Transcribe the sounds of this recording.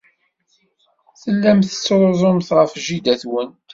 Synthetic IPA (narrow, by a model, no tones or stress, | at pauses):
θəlːæmθət͡sːɾˤzˤʊmθʁəfʒid̪æθwənt̪